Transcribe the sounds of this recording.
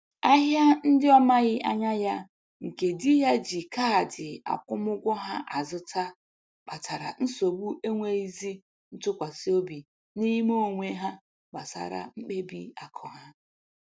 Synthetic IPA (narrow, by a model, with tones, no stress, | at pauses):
a˦ɦja˦n̩˦dɪ˦ɔ˦ma˦ɣɪ˦ʔa̰˦ɲa˦ja˦ | ŋ̩˨ke˨dɪ˦ja˦d͡ʒi˨ka˦˨dɪ˨a̰˨kʷʊ˦m˦ʊ˦ɡʷɔ˦ɦa˦ʔa˨zʊ˦ta˦ | k͡pa˨tʰa˨ɾa̰˨n̩˦so˨bu˦ʔe˦ŋʷe˦i˦zi˦ | n̩˦tʊ˦kʷa˨si˦o˦bi˨ | ni˦mo˦˨ŋʷe˦ɦa˦ | ɡ͡ba̰˨sa̰˨ɾa̰˨ŋ͡m̩˦k͡pe˦bi˦a˨kʰɔ˨ɦa˦